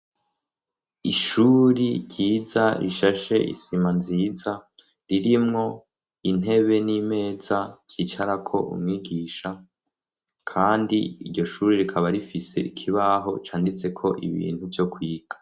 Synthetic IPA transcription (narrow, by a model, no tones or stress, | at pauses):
iʃuɾiɾɟiːzaɾʔḭʃaʃe̞̰ʔḭsimanziːza | ɾiɾimŋo̞ | in̥e̞βe̞nime̞ːzav̥j̥iːt͡ʃaɾakʰo̞̰ʔṵmŋiːɡiːʃa | kʰaːndiːɾɟo̞ʃuːɾiɾikʰaβaɾifise̞̰ʔikʰiβaɦo̞t͡ʃaːndit͡se̞kʰo̞ʔḭβḭːn̥huvjo̞kwiːɡ̥ḁ